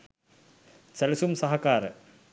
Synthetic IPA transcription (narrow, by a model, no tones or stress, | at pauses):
sɐlɐsumsɐɦɐkːaːɾɨ